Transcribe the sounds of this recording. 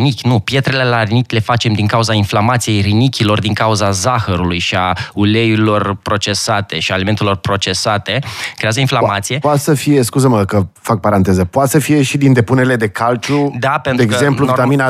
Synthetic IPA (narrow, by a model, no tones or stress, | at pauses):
nikʲnupje̞t̪ɾele̞larinikʲle̞fat͡ʃe̞md̪iŋkauzainflamat̪sije̞jrinikʲilo̞rd̪iŋkauzazaxəɾulujʃiauleilo̞rpɾo̞t͡ʃe̞sat̪e̞ʃiaːlime̞nt̪e̞lo̞rpɾo̞t͡ʃe̞sat̪e̞kɾe̞azəinflamat̪sije̞pat̪səfije̞skuzəməkəfak̚paɾant̪e̞zəpoat̪səfije̞ʃid̪ind̪epuneɾile̞d̪e̞kalt͡ʃud̪apent̪eɾeɡzempluviit̪amina